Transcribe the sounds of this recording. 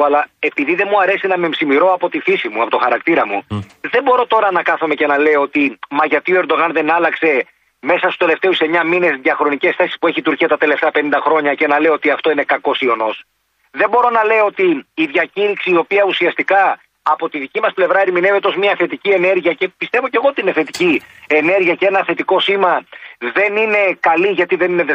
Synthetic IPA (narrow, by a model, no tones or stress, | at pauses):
ɐlɐe̞piðiðe̞muɐɾe̞sinɐme̞msimiɾo̞ɐpo̞t̪ifisimuɐpo̞t̪o̞xɐɾɐkt̪iɾɐmuðe̞bo̞ɾo̞t̪o̞ɾɐnɐkɐθome̞ce̞nɐle̞oot̪imɐʝɐt̪ioeɾd̪o̞ɣɐnðe̞nɐlɐkse̞ | me̞sɐst̪u̥st̪ele̞ft̪e̞use̞ɲɐmine̞zðjɐxɾo̞nice̞sθe̞sispue̞çit̪uɾciɐt̪ɐt̪e̞le̞ft̪eɐpe̞nind̪ɐxɾo̞ɲɐce̞nɐle̞oo̞t̪iɐft̪o̞ine̞kɐko̞sio̞no̞s | ðe̞mbo̞ɾo̞nɐle̞oo̞t̪iːðʝɐciɾiksiːo̞piɐusiɐst̪ikɐː | po̞t̪iðicimɐsple̞vɾɐeɾimine̞vet̪o̞zmiɐθe̞t̪icie̞ne̞ɾʝiɐce̞pist̪e̞vo̞ce̞ɣoot̪iineθe̞t̪iciene̞ɾʝiɐceenɐθe̞t̪iko̞simɐðe̞nine̞kɐliʝɐt̪iðe̞nine̞ðe